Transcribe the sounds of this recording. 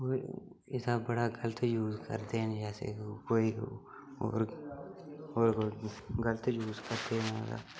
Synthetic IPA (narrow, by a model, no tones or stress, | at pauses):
oː | ɪsabɐɽaɡɐlət̪juːzkə̰ɾt̪end͡ʒɛːsḛkoːi | o̰ːɾ | oːɾɡələt̪juːzkəɾt̪enada̰